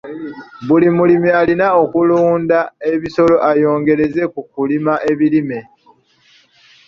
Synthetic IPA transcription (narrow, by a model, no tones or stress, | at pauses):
βulimulimialinaokuluːndae̞βiso̞lo̞ʔajo̞ːŋɡe̞ɾe̞ze̞kukulimaʔe̞βilime̞